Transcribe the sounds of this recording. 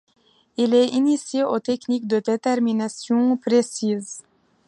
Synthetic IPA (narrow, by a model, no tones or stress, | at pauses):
ilɛinisjeot̪ɛknik̚d̪əd̪et̪ɛʁminasjɔ̃pχesiz